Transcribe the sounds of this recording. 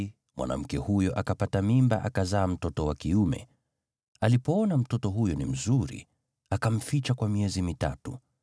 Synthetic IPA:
mwʔa̰na̰m̩kɛhujɔʔakapatamimba̰ʔakazaːm̩tɔtɔwakiumɛ̰ | alipɔɔnam̩tɔtɔɦujɔnim̩zuɾḭ | akam̩fit͡ʃakwamiɛzimita̰tu

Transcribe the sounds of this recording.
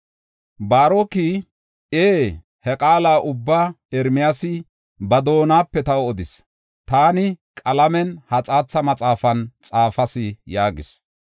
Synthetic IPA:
baːɾoki | eː | hɛkʼaːlaːʔʊbːaː | ɛɾmɪjasɪ | bɐd̪o̞ːnaːpːɛt̪ɐwɔd̪ɪs | t̪aːnɪkʼɐlɐmɛnhɐt͡sʼaːt͡sːɐmɐt͡sʼaːfɐnt͡sʼaːfɐsɪjaːɡɪ̰s

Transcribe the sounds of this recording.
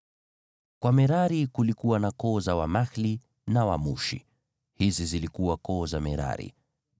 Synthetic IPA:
kwamɛɾaɾikulikuwanakɔːzawamaxli | nawamuʃḭ | hizizilikuwakɔːzamɛɾa̰ɾḭ

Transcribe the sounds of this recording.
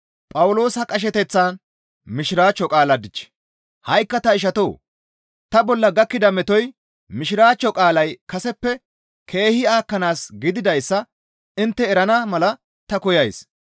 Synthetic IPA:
pʼɐwʊlo̞ːsɐkʼɐʃ̬ɛt̪ɛt͡sːaːn | mɪʃɪɾaːt͡ʃːɔkʼaːlɐd̪ɪt͡ʃː | hɐjkːɐt̪ɐɪʃ̬ɐt̪oː | t̪ɐbɔlːɐɡɐkːɪd̪ɐmɛt̪ɔj | mɪʃɪɾaːt͡ʃːɔkʼaːlɐjkɐsɛpːɛ | kʰe̞ːhɪaːkːɐnaːsɡɪd̪ɪd̪ɐjsːɐ | ɪnt̪ːɛːɾɐnɐmɐlɐ | t̪ɐkɔjɐjs

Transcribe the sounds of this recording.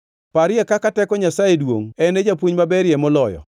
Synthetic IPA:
paɾɪɛkakatɛkɔɲasajedwo̰ŋɛned͡ʒapwoɲmabɛɾjɛmɔlɔjɔ̰

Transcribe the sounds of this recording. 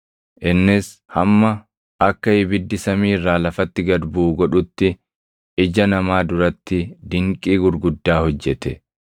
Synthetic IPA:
ʔɪnːɪshɐmːɐ | ʔɐkːɐɪbɪd̪ːɪsɐmiːrːaːlɐfɐt̪ːɪɡɐd̪buːɡɔᶑʊt̪ːɪ | ʔɪd͡ʒɐnɐmaːd̪ʊɾɐt̪ːɪd̪ɪŋkʼiːɡʊɾɡʊd̪ːaːhɔd͡ʒːɛt̪ɛ

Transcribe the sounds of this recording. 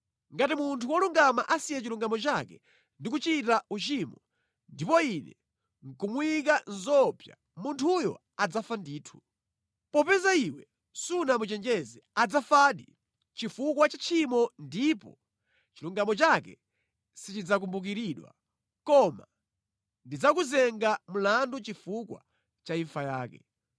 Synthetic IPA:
ŋɡatimuntʰuwɔluŋɡamaʔasijɛt͡ʃiluŋɡamɔt͡ʃakɛ | ndik̬ut͡ʃitaut͡ʃimɔ | ndipɔinɛ̰ | ŋ̩kumwikanzɔpja̰ | muntʰujɔ̰ | ad͡zafandiːtʰu̥ | pɔpɛzaiwɛ | sunamut͡ʃɛnd͡ʒɛzɛad͡zafaːɗḭ | t͡ʃifukwat͡ʃat͡ʃʰimɔndipɔ̰ | t͡ʃiluŋɡamɔt͡ʃakɛ̰ | sit͡ʃid͡zak̬umbuk̬iɾiɗwa̰ | kɔma̰ | ndid͡zakuzɛŋɡamulandut͡ʃifukwa̰ | t͡ʃaiɱfajaːkɛ

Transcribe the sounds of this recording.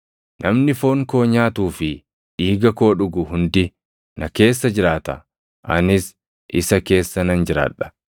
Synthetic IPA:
nʔɐmnɪfo̞ːŋko̞ːɲaːt̪uːfɪ | ʔiːɡɐko̞ːᶑʊɡʊhʊnd̪ɪ | nɐke̞ːsːɐd͡ʒɪɾaːt̪ɐ̰ | ʔɐ̰nɪs | ʔɪsɐke̞ːsːɐnɐnd͡ʒɪɾa̰ːᶑɐ̥

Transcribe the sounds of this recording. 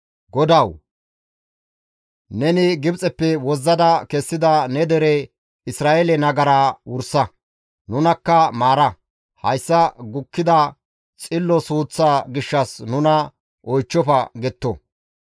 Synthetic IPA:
ɡɔd̪ɐw | nɛnɪɡɪbt͡sʼɛpːɛwɔzːɐd̪ɐkɛsːɪd̪ɐnɛd̪ɛɾɛ | ɪsɾaːʔɛlɛnɐɡɐɾaːwʊɾsɐ | nʊnɐkːɐmaːɾɐ | hɐjsːɐɡʊkːɪd̪ɐ | t͡sʼɪlːɔsuːt͡sːaːɡɪʃːɐsnʊnɐ | ʔɔjt͡ʃːɔfɐɡɛt̪ːɔ

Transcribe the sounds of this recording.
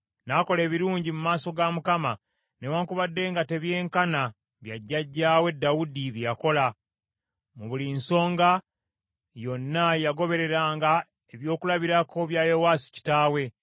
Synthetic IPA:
nako̞le̞ːβiɾuːɲɟimumaːso̞ɡamukama | ne̞waːŋkuβadːe̞ːŋɡate̞βje̞ːŋkana | βjaɟːaɟːaːwe̞dːawudiβjako̞la | muβulinso̞ːŋɡa | jo̞nːajaɡo̞βe̞ɾe̞ɾaːŋɡa | e̞βjo̞ːkulaβiɾako̞βjaːjowaːsi̥ci̥taːwe̞

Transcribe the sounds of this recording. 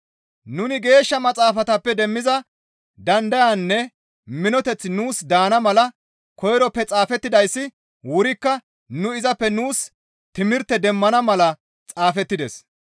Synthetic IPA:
nʊnɪɡe̞ːʃːɐmɐt͡sʼaːfɐt̪ɐpːɛd̪ɛmːɪzɐ | d̪ɐnd̪ɐjanːɛ | mɪnɔt̪ɛt͡sːnuːsd̪aːnɐmɐlɐ | kɔjɾɔpːɛt͡sʼaːfɛt̪ːɪd̪ɐjsːɪ | wʊɾɪkːɐ | nʊɪzɐpːɛnuːs | t̪ɪmɪɾt̪ːɛd̪ɛmːɐnɐmɐlɐ | t͡sʼaːfɛt̪ːɪd̪ɛs

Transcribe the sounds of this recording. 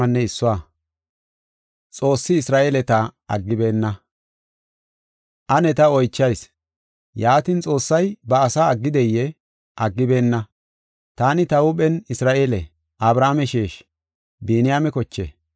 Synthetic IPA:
ɐnːɛɪsːʊwa | t͡sʼo̞ːsːɪːsɾaːʔeːlɛt̪ɐɐ̰ɡːɪbe̞ːnːɐ | ʔɐnɛt̪ɐɔjt͡ʃːɐjs | jaːt̪ɪnt͡sʼo̞ːsːɐjbɐːsaːɐɡːɪd̪ɛjːɛ | ʔɐɡːɪbe̞ːnːɐ | t̪aːnɪt̪ɐʊpʼɛnɪsɾaːʔeːlɛ | ʔɐbɾaːmɛʃeːʃ | beːnɪjaːmɛkɔt͡ʃːḛː

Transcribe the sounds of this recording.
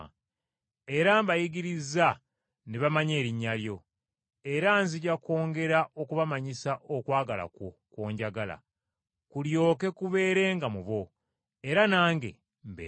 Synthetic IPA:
e̞ɾambajiɡiɾiza | neβamaɲe̞ːɾiɲːaljo̞ | e̞ɾanziɟako̞ːŋɡe̞ɾaʔo̞kuβamaɲisaʔo̞kwaːɡala̰ko̞kwoːɲɟaɡala̰ | kuljo̞ːke̞kuβe̞ːɾe̞ːŋɡamuβo̞ | e̞ɾanaːŋɡe̞̰ | mbe

